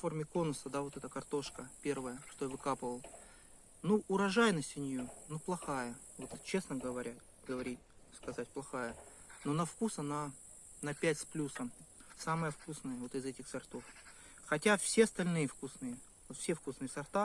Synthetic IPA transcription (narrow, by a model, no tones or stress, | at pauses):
fo̞rmʲɪko̞nəsəd̪avo̞t̪ɛt̪əkɐrt̪o̞ʂkəpʲe̞rvəjəʂt̪ojavɨkapɨvəlˠ | nuʔʊɾɐʐajnəsʲɪnʲjunuplˠɐxajəvo̞t̪t͡ɕe̞snəɡəvɐɾʲʔa | ɡəvɐɾʲitʲskɐzatʲplˠɐxajəno̞nɐfkusɐna | nɐpʲætʲsplʲusəmsamɨjəfkusnəjəvo̞t̪ɨzɛtʲɪxsɐrt̪o̞f | xɐtʲafsʲe̞ɐst̪ɐlʲnɨjəfkusnɨjə | ofsʲe̞fkusnɨjəsɐrt̪a